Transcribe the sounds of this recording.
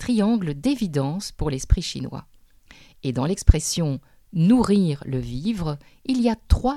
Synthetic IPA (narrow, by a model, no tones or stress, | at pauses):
t̪χiɑ̃ɡləd̪evid̪ɑ̃spuʁlɛspχiʃḭnwa̰ | ed̪ɑ̃lɛkspχɛsjɔ̃ | nuʁiʁləvivʁ | iliat̪χwa